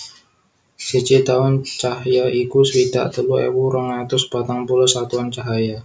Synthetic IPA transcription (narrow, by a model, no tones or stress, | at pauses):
sət͡ʃit̪aʊnt͡ʃaɦjaʔikuswid̪a̰ʔt̪əluḛwuɾəŋat̪ʊsbat̪aŋpulɔsat̪uant͡ʃaɦaja